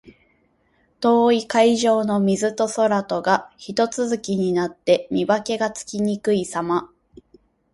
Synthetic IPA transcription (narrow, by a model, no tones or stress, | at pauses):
t̪o̞ːikaiʑo̞ːno̞mʲizɨt̪o̞so̞ɾat̪o̞ɡaçit̪o̞t͡sɨzɨkʲiɲ̟inat̪ːe̞mʲibake̞ɡat͡sɨ̥kʲiɲ̟ikɯ̟isama